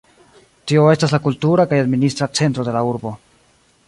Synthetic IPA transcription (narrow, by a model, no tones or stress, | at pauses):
tio̞e̞staslakultuɾakajadministɾat͡se̞ntɾo̞de̞lauɾbo̞